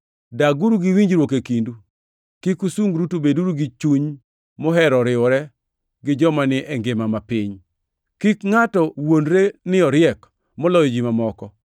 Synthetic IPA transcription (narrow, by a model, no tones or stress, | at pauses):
daɡuɾuɡɪwiɲd͡ʒɾwokekindu | kikusuŋɡɾutobeduɾuɡit͡ʃuɲ | mɔɦɛɾɔɾɪɔɾɛ | ɡɪd͡ʒɔmanɪʔɛŋɡɪmamapɪɲ | kikŋatɔwondɾenɪɔɾjɛk | mɔlɔjɔd͡ʒimamɔkɔ